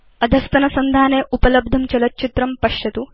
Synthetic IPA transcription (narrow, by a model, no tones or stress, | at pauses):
ɐd̪ʱɐst̪ɐnɐsɐnd̪ʱaːneːʔupɐlɐb̚d̪ʱɐmt͡ʃɐlɐtːt͡ʃit̪ɾɐmpɐʂjɐt̪u